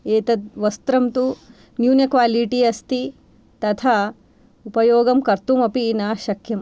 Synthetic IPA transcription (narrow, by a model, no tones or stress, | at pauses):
eːt̪ɐd̪̚ʋɐst̪ɾɐmt̪u | njuːnekʋaːliʈiɐst̪i | t̪ɐt̪ʰa | upɐjoːɡɐmkɐɾt̪umɐpiːnaːʃɐkʰːjɐm